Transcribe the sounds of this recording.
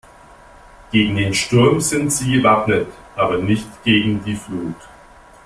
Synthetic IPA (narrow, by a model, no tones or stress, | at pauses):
ɡ̥eːɡŋ̩deːnʃtʊɐmz̥ɪntz̥iːɡəvap̚nət | ʔaːbɐnɪçtɡ̥eːɡŋ̩diːfluːt